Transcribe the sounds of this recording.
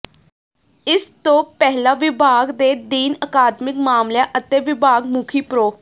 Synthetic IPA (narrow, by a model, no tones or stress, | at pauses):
ɪst̪õːpɛːɦlaːʋɪbʱaːɡd̪eːd̪iːnəkaːd̪mɪkmaːmljãːʔət̪eːʋɪbʱaːɡmʊkʰiːpɾoː